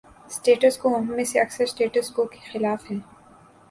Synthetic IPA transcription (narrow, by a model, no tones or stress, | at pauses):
sʈeːʈəskoɦɐmːẽseɐksəɾsʈeːʈəskoke̥xɪlaːfɦɛː